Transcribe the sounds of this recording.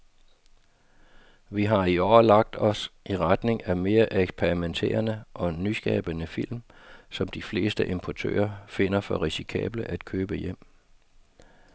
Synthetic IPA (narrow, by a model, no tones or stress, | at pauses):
ʋiɦɑ̈iɒʊɐlɑ̈ɡ̥̚d̥ɒ̽sʔiʁad̥ne̝ŋæme̝ːɐʔeɡ̥spʰeʁiment͡sʰe̝̰ːɐnəʔɒ̽nysɡ̥ɛ̰ːb̥ənəfil̰msɒ̽md̥ifle̝̰ːsd̥əʔe̝mpʰɒt͡sʰø̰ːɐfe̝n̰ɐfɒ̽ʁisi̥kʰɛ̰ːb̥ləʔæd̥̚kʰøːb̥əjem̰